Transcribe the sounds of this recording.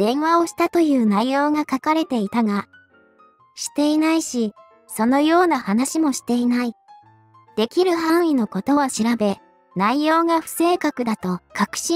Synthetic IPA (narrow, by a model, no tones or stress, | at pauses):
d̪̥ẽ̞ɰ̃βao̞ɕi̥t̪at̪o̞jɯ̟ːnaijo̞ːɡakakaɾe̞t̪e̞it̪aɡa | ɕi̥t̪e̞inaiɕi | so̞no̞jo̞ːnahanaɕimo̞ɕi̥t̪e̞inai | d̪̥e̞kʲiɾɯ̟ɦãɰ̃ino̞ko̞t̪o̞βaɕiɾabe̞ | naijo̞ːɡaɸɯ̟̥se̞ːkakɯ̟d̪at̪o̞kakɯ̟̥ɕĩ